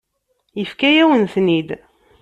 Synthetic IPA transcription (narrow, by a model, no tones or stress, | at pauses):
jəfkæjæwənθnid̪